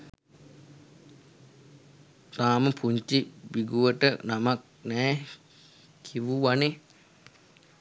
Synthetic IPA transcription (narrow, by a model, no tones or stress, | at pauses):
t̪aːməpʰuɲt͡ʃibiɡuʋəʈənamak̚ | nɛː | kʰiʋuʋane